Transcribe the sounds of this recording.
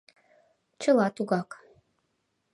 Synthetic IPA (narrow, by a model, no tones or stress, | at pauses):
t͡ʃʰəlˠɑt̪uɡɑk